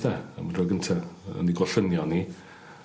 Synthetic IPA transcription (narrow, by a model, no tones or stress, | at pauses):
ðɛə̰mrɔɡəntʰaə̰niɡwɔɬənjɔni